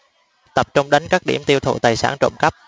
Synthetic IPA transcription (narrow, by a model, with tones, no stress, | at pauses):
t̪ə˨˩p̚t͡ɕʊ˧wŋ͡mɗa˨˦jŋ̟kaː˦˥k̚ɗi˧˩əmt̪i˧wt̪ʰṵ˧˩t̪aː˨˩jsa̰ː˧˩nt͡ɕo̰˧˨ŋ͡mkə˦˥p̚